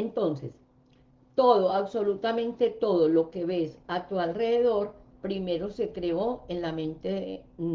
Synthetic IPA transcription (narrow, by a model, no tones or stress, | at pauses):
ent̪o̞nses | t̪o̞ðoaβso̞lut̪amẽ̞nt̪e̞t̪o̞ðolo̞ke̞βe̞sat̪ualre̞ðeðo̞ɾpɾime̞ɾo̞se̞kɾe̞o̞enlamẽ̞nt̪eðe